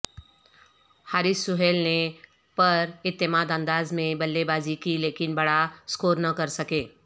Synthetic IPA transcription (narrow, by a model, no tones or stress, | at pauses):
haːɾɪsːʊɦeːlne | pɐɾɪt̪ːemaːd̪ə̃nd̪aːzmẽbɐlːebaːzikileːkɪnbɐɽaskoːɾnɐkɐɾsɐkeː